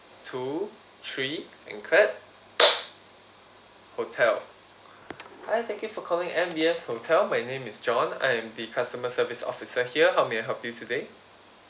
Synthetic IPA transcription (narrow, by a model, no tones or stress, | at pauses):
tʰu | tʰɹiʔɛ̰̃nkʰlɛt̚ | hotʰɛl | hajt̪ɛ̃ŋkjufɔkʰɔlɪ̃ŋɛ̃mbiɛshotʰɛlmajnẽmɪsd͡ʒɔ̃nã̰jɛ̃mdikʰastəməsəvisɔ̰fisəhiəɦaʊmeajɦɛlpjutʰude